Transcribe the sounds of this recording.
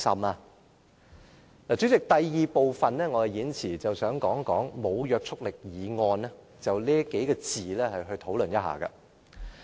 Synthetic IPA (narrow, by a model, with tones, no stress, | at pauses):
sɐ̰˨maː˧ | laː˨˩t͡sy˨˥t͡sɪ˨k̚t̪ɐ˨jjiː˨˧po˨wfɐ˨nlɛː˥ŋɔː˨˧ɐ˨jiː˨˥nt͡sʰiː˨˩t͡sɐ˨wsœː˨˥ŋkɔː˨˥ŋkɔ̰ː˨˥ŋmo˨˧wjœː˨˧k̚t͡sʰʊ˥k̚lɪ˨k̚jiː˨˧ŋɔː˧nɛ˥ | t͡sɐ˨wliː˥ke˨˥jkɛː˧t͡siː˨lɛ˥hɐ˨jɦɵ˧ɥt̪ʰo˨˧˥wlɵ˨njɐ˥t̚ɦa̰ː˨˩kɐ̰˧